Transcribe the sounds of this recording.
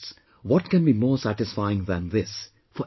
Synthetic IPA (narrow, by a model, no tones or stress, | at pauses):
s | ʋɔʈ̚kɛ̃nbimoːsæʈɪsfaɪɪ̃ŋðæ̃nðɪs | fɔ